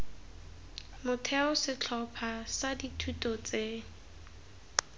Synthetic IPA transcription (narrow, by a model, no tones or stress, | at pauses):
mʊtʰɛʊsɪt͡ɬʰɔpʰasaditʰutʼɔt͡se